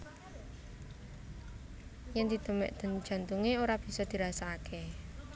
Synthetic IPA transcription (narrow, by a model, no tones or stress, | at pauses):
jaŋd̪̥i̤t̪əmɛ̰ʔd̪̥ə̤n̥d͡ʒ̥a̤nt̪uŋeoɾab̥i̤sɔd̪̥i̤ɾasaːkʰe